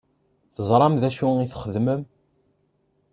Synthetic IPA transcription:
θəzˤɾˤɑmðæʃuiθχəðməm

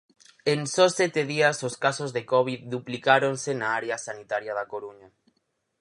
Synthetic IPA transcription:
eŋsɔsɛt̪eðiɐsoskasozðekɔβ̞iðd̪uplikaɾoŋsenaaɾeasanit̪aɾjaðakoɾuɲa

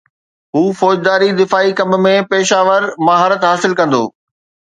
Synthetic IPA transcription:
ɦuːfɔːd͡ʑd̪aːɾid̪ɪfaːikɐ̃mbmẽpeːʃaːʋəɾmɐɦaːɾət̪ɦaːsɪlkɐ̃nd̪o̰ː

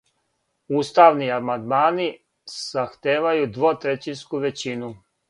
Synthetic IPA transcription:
uːst̪aʋniamand̪maːni | saxt̪eːʋajud̪ʋot̪ɾet͡ɕinskuʋe̞t͡ɕinu

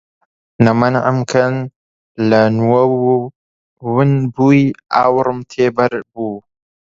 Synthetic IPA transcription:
nɐmɐnʕa̰mkʰɐn | lɐnwɐw | wɨnbuja̰ːwɾmt̪ʰeːbɐɾbu

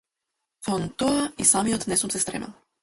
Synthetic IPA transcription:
fɔnt̪ɔaisamijɔt̪nɛsumsɛst̪ɾɛ̰mɛ̰lˠ

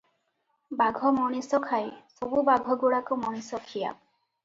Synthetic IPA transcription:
baɡʱɔmɔɽ̃isɔkʰajsɔbubaɡʱɔɡuɽakumɔɽ̃isɔkʰija̰

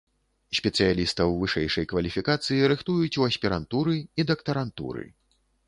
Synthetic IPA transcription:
sʲpʲɛt̪sɨjalʲist̪ɐwvɨʂɛ̰jʂɐjkvɐlʲifʲikat̪sɨjiɾɨxt̪ujut͡sʲuɐsʲpʲiɾant̪uɾɨid̪ɐkt̪ɐɾant̪ṵɾɨ̰

